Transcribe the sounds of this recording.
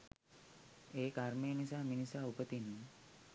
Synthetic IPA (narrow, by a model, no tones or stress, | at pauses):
eːkaɾmeːnisaːminisaːupət̪inːi